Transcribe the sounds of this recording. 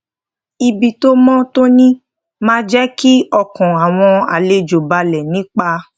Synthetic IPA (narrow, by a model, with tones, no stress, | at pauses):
i˧bi˨to˦mɔ̃˦to˦nĩ˦ | mãː˦d͡ʒɛ˦ki˦ɔ˧kɔ̃˨a˨w̃ɔ̃˧a̰˨le˧d͡ʒo˨ba˧lɛ˨nĩ˨˦k͡pa˧